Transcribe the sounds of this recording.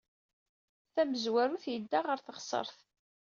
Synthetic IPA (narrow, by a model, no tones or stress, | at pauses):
θæməzwæɾuθjəd̪ːaʁəɾθəʁsˤə̰ɾˤθ